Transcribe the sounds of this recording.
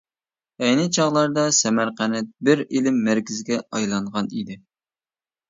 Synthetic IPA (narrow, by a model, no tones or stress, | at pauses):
ɛjnɪt͡ʃʰɑʁlˠɑɾd̪ɑsɛmæɾqænɛt̪̚bɪɾilɪmːæɾkʲɪzɡʲɛɑjlˠɑɴʁɑnid̪ɪ